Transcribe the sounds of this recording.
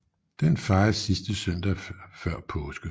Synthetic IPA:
d̥enfɑ̈ɪɐsisd̥əsøn̰d̥æfɶɐ̰pʰɔːsɡ̥ə

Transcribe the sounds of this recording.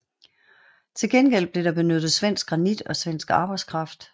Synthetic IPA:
t͡sʰe̝lɡ̥enɡ̥el̰b̥le̝ɾ̥ɑ̈b̥e̝nød̥ð̩ˠsʋen̰sɡ̥ɡ̥ʁɑ̈nid̥ɒ̽sʋen̰sɡ̥ɑ̈ːb̥ɑ̈ɪ̥skʰʁɑ̈fd̥

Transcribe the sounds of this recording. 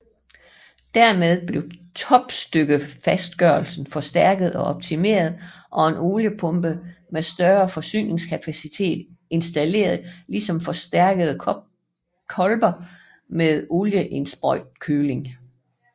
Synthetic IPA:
d̥æɐmeð̞ˠb̥le̝ʊt͡sʰɒ̽b̥sd̥øɡ̥əfæsd̥̚ɡ̥œɐl̩sn̩fɒ̽sd̥æɐɡ̥əð̞̩ˠɒ̽ʔɒ̽b̥̚t͡sʰime̝̰ːɐð̞̩ˠ | ʔɒ̽e̝no̝ljəpʰɔ̽mb̥əmesd̥ɶɐfɒ̽sy̰ːne̝ŋskʰæpʰæsit͡sʰe̝̰ːd̥e̝nsd̥æle̝̰ːɐð̩ˠlisɒ̽mfɒ̽sd̥æɐɡ̥əð̞̩ˠ | kʰɒ̽lb̥ɐ | meðˠo̝ljəʔe̝nsb̥ɒd̥kʰøːle̝ŋ

